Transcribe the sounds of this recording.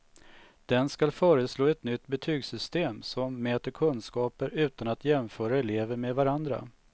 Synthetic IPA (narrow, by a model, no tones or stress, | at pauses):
d̪̥ɛnskalfœːɾəsloːɛt̪nʏt̪ːbɛt̪ʰyːɡsʏst̪eːmsɔmːɛːt̪əɾkʰɵnskɑːpəɾʉ̟ːt̪anat̪jɛmfœːɾaɛleːvəɾmeːd̪vaɾand̪ɾa̰